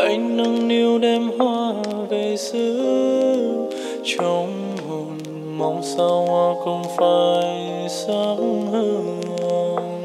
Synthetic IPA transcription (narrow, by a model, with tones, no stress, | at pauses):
ʔa˨˦jŋ̟nə˧ŋni˧əwɗɛ˧mhwaː˧ve˧˩jsɨː˨˦ | t͡ɕo˨˧˦ŋ͡m | ɦo˨˩n | ma˨˧˩wŋ͡msa˧whaː˧xə˧wŋ͡mfaː˧j | saː˧˦ŋhəː˧˩ŋ | ɔ˧n